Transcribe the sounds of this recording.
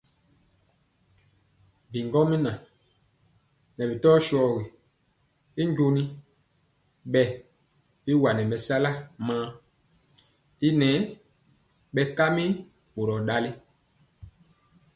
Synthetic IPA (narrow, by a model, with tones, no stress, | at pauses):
bi˨ŋɡɔ˦mi˦nã˨ | nɛ˨bi˨tɔ˦ʃɔː˦˨ɣi˨ | i˦ɲɟo˦ni˦ | ɓɛ˨ | bi˦wa˨nɛ˨mɛ˨sa˦la˦mãː˦ | i˦nɛː˨˦ | ɓɛ˨ka˦mi˦ | ɓo˨ɾɔ˨ɗa˦li˦